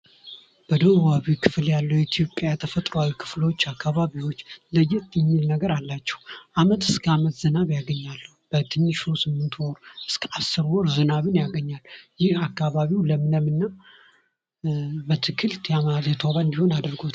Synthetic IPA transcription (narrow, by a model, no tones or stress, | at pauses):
b̥əd̪əβaβikʰɨfljalːəwjɛt̪ʰijo̞pʼːjajat̪ʰəfət̪ʼɾoawikʰɨ̥flot͡ʃːakʰːaβaβiwot͡ʃːləjɛt̪ʼːjɪmːilnəɡəɾalːat͡ʃːɛ̥hwuʔamət̪ɨskʰəamət̪z̥ɨnaβjaɡəɲːalːəhub̥ət̪ʰɨnːɨʃusɨmːɨnt̪ʰwɔɾʔɨskʰəʔasːɨɾwɔɾzɨnaβɨnjaɡəɲːalːjɪhakːaβaβiwləmɨnəmɨnːa | bət̪ʰɨkʰɨlt̪jamaazjɛt̪ʰoβaɨnd̪iho̞nad̪ɨɾɡot̪